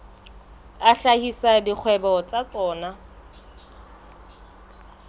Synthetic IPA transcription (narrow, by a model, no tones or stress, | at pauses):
aɬahisadik͡xʰwɛbɔt͡sat͡sɔːna